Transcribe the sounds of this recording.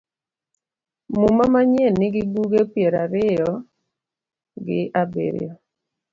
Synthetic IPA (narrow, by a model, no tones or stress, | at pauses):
mumamaɲɛnːɪɡɪbuɡepjeɾaɾɪjɔ | ɡɪʔabḛɾ̰jɔ